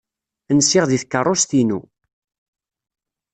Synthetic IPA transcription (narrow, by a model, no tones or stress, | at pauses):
ənsːɪʁðiθkːərˤːost̪inṵ